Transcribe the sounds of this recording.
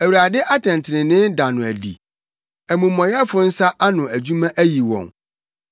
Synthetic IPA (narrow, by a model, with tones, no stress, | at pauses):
æ˨wu˨ɾa˨dɪ˦ʔa˦tʰɛ̃˨n˨tʰɪ˨ɾɪ̃˨nɪ̃˦nda˨nʊ̃˨æ˨dḭ˨ | æ˨mũ˨mːɔ̃˨ja˦fʊ˨n̩˦sa˦ʔa˦nʊ̃˨æ˨d͡ʑu˦mã˦ʔæ˦ji˨wɔ̰̃˨ŋ